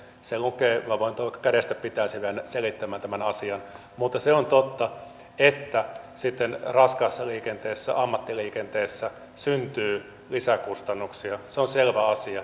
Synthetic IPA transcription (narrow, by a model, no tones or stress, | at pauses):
selukeʋɑʋoˑint̪oʋɑˑkːɑ̥kæɾest̪æpit̪æisiʋænselit̪ːæmːæːnt̪æmænɑsiɑn | mut̪ːɑseont̪ot̪ːɑ | et̪ːæsit̪ːenrɑskɑsːɑliːkent̪eːsːæ̰ɑmːɑt̪ːiliːkent̪eːsːæ | synt̪yː | lisækust̪ɑnːuksiɑseonselʋæɑsiɑ